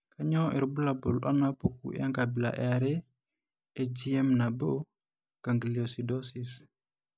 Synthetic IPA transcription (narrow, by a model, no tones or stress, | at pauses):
kaɲɔʔɛɾbulabulɔ̰napokṵja̰ŋkabila̰ʔɛaɾɛ | ɛd͡ʒiɛmnabo | kaŋɡliosidɔsis